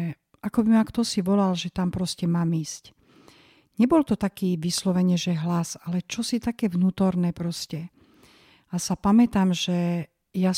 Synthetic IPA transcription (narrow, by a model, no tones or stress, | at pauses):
akɔbimakt̪ɔsiʋɔlalʒɛt̪ampɾɔscɛmaːmiːsc | ɲɛbɔlt̪ɔt̪akiːʋislɔʋɛɲɛʒɛɦlasalɛt͡ʃɔsit̪akɛːʋnuːt̪ɔɾnɛːpɾɔscɛ | asapamɛt̪amʒɛ | ja